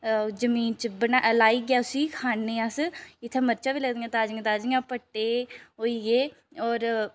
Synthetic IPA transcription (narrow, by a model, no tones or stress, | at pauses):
zəmiːnt͡ʃbənalaːiːɡɪaːʊsiːkʰaːnːeːasɪt̪ʰːẽːməɾt͡ʃaːʋiːləɡd̪ĩːãːt̪aːd͡ʒɪŋãːt̪aːd͡ʒɪŋãːpəʈːeːɦoːiːɡeː | ɔːɾ